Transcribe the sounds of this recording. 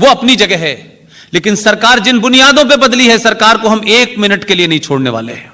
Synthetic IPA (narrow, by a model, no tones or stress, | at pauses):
ʋoɐpnid͡ʒɐɡɛɦɛː | leːkɪnsɐɾkaːɾd͡ʒɪnbʊnijaːd̪õp̬ebɐd̪liɦɛsɐɾkaːɾkoɦɐmeːkmɪnəʈkelienɐɦĩt͡ʃʰoːɽneʋa̰ːlḛɦɛ̃ː